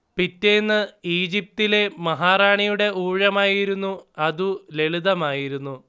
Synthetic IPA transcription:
pitːenːɨiːd͡ʑip̚t̪ile̞mɐɦaːraːɳijuɽe̞ʔuːɻɐmaːjiɾunːuɐðule̞ɭiðɐmaːjiɾunːu

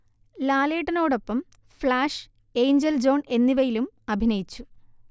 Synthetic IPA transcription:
laːle̞ːʈːɐno̞ːɽo̞pːɐm | flaːʂ | e̞ːjɲd͡ʑeld͡ʑo̞ːɳe̞nːiʋɐjilum | ɐbʱinɐjit͡ɕːu

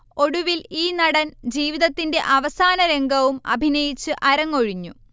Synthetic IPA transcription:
o̞ɽuʋiliːnɐɽɐnd͡ʑiːʋiðɐt̪ːinde̞ʔɐʋɐsaːnɐɾe̞ŋɡʱɐʋumɐ̰bʱinɐjit͡ɕːɨʔɐɾɐŋːoɻiɲːu

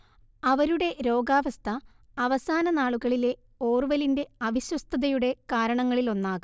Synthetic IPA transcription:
ɐʋɐɾuɽe̞ɾo̞ːɡaːʋɐst̪ʰɐ | ɐʋɐsaːnɐnaːɭuɣɐɭile̞ | o̞ːrʋɐlinde̞ɐʋiɕwɐst̪ʰɐðɐjuɽe̞kaːɾɐɳɐŋːɐɭilo̞nːaːɣu

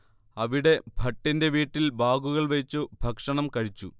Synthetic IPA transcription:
ɐʋiɽe̞bʱɐʈːinde̞ʋiːʈːilbaːɡuɣɐɭʋɐt͡ɕːubʱɐkʂɐɳɐmkɐɻit͡ɕːu

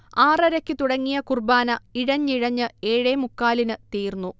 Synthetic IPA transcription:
aːrɐɾɐkʲːɨt̪uɽɐŋːijɐkurbaːnɐiɻɐɲːiɻɐɲːɨeːɻemukːaːlinɨt̪iːrnːu

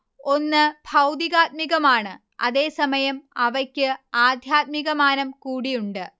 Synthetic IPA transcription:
o̞nːɨb̥ʱɐwd̪iɣaːt̪̚miɣɐmaːɳɨ | ɐ̰ðe̞ːsɐmɐjɐmɐʋɐkʲːɨaːd̪ʱjaːt̪̚miɣɐmaːnɐmkuːɽijuɳɖɨ

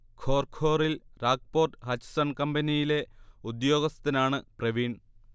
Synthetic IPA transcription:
kʰo̞ːrkʰo̞ːrilraːk̚po̞ːrʈɨhɐt͡ɕsɐɳkɐmbɐnijile̞ud̪jo̞ːɡɐst̪ɐnaːɳɨprɐʋiːɳ

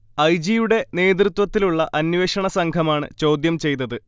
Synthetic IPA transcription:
ɐjd͡ʑijuɽe̞ne̞ːd̪̬rut̪wɐt̪ːiluɭːɐʔɐnʋeːʂɐɳɐsɐŋɡʰʱɐmaːɳɨ̰t͡ɕo̞ːd̪jɐmt͡ɕe̞jt̪ːɐðɨ

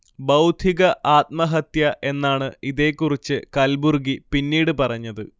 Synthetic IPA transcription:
bɐwd̪ʱiɣɐʔaːt̪̚mɐɦɐt̪jɐʔe̞nːaːɳɨiðe̞ːkːurit͡ɕːɨkɐlburɡipinːiːɽɨpɐrɐɲːɐðɨ

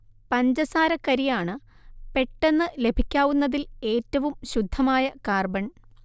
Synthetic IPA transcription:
pɐɲd͡ʑɐsaːɾɐkːɐɾijaːɳɨ | pe̞ʈːe̞nːɨle̞bʱikʲːaːʋunːɐðile̞ːtːɐʋumɕud̪ʱːɐmaːjɐkaːrbɐɳ

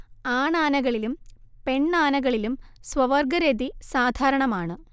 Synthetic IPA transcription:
aːɳaːnɐɣɐɭilumpe̞ɳːaːnɐɣɐɭilumsʋɐʋɐrɡɐɾed̪isaːd̪ʱaːɾɐɳɐmaːɳɨ

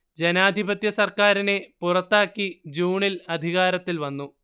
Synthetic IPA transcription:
d͡ʑe̞naːd̪ʱibɐt̪jɐsɐrkaːɾine̞purɐt̪ːaːkːid͡ʑuːɳilɐd̪ʱiɣaːɾɐt̪ːilʋɐnːu

